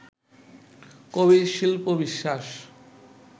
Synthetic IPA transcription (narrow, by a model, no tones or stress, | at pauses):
kobiʃilpobiʃːaʃ